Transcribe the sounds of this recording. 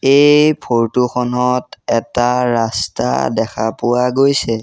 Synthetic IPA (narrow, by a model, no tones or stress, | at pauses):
ejpʰoɹtuxʰɔnɔtɛtaɹasta̰dɛkʰapʊwaɡojsɛ